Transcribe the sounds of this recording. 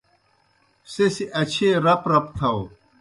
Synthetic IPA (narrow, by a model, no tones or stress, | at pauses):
sesiʔɐt͡ɕʰeːɾɐpɾɐpt̪ʰɐw